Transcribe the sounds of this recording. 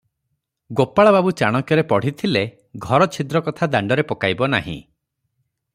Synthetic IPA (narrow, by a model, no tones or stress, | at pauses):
ɡopaɭababut͡ʃaɽ̃ɔkjɔɾepɔɽ̤it̪ʰile | ɡʱɔɾɔt͡ʃʰid̪ɾɔkɔt̪ʰad̪aɳɖɔɾepɔkajbɔna̰ɦḭ̃